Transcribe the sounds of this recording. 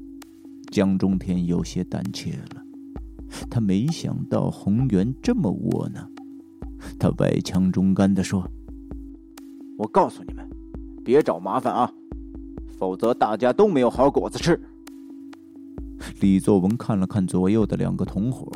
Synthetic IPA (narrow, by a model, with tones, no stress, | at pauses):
t͡ɕjɑ˥ŋʈ͡ʂʊ˥ŋt̪ʰjɛ˥njo˨˩ʊɕjɛ˥t̪a̰˨˩nt͡ɕʰjɛ˥˩lə˨ | t̪ʰa˥me˧˥ɪɕjɑ̰˨˩ŋt̪ɑ̰˥˩ʊxʊ˧˥ŋɥɛ˧˥nʈ͡ʂə˥˩mə̰˨wɔ̰˨˩nə˨˩ | t̪ʰa̰˥wa̰˥˩ɪt͡ɕʰjɑ˧˥ŋʈ͡ʂʊ˥ŋka˥nd̪ə˨ʂwɔ˥ | wɔ˨˩kɑ˥˩ʊsu˨˩nḭ˨˩mə˦npjɛ˧˥ʈ͡ʂɑ˨˩ʊma˧˥fa˨˩nɐ˧ | fo˨˩ʊt͡sɤ˧˥t̪a˥˩t͡ɕja˥t̪o˥ʊme˥jo˨˩ʊxɑ˧˥ʊkwɔ˨˩t͡s̩˧ʈ͡ʂʰɻ̩˥˩ | li˨˩t͡swɔ˥˩wə˧˥nkʰa˥˩nlə˩kʰa˥˩nt͡swɔ˧˥jo˥˩ʊd̪ə˨ljɑ̰˨˩ŋɡə˦t̪ʰʊ˧˥ŋxwɔ̰˧˥